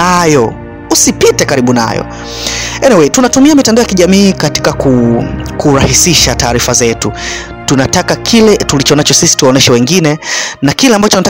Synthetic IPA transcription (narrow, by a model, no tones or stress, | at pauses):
ajɔ | usipitɛkaɾiɓuna̰jɔ̰ | ɛnɛwɛtunatumiamitɛndɔjakiʄamiːkati̥kakukuɾahisiʃataːɾifazɛtu | tunatakakʰilɛtulit͡ʃɔnat͡ʃɔsisi̥tuwaɔnɛʃɛwɛŋɡinɛnakilɛambat͡ʃɔnata